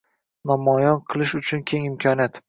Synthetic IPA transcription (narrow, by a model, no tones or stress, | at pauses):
nɒmɒjɒnqʰɨlˠɪʃʊt͡ʃʰʊnkʲʰe̞ŋɪmkʲʰɒnjat̪